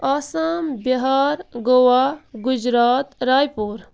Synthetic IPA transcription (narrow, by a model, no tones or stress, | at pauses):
asambɐɦaɾɡowaɡud͡ʒɾaːt̪ɾaːjpuɾ